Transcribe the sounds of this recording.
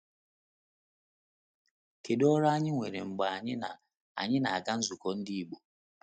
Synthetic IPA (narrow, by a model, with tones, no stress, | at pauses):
ke˨dɔ˦ɾa˦a˦ɲɪ˦ŋʷe˨ɾe˨ŋ͡m̩˨ɡ͡ba˨a˨ɲɪ˦na̰˨ | a̰˨ɲɪ˦na˨a˨ka˦n̩˦zu˨kɔ˨n̩˦di˦i˦˨ɡ͡bo˨